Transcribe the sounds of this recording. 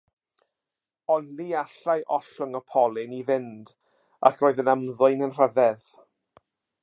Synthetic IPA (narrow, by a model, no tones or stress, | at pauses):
ɔnliaɬajʔɔɬʊŋɔpʰɔlˠɪnivɪnd | a̰kʰroːɨðənəmðʊjnənr̥əðɛð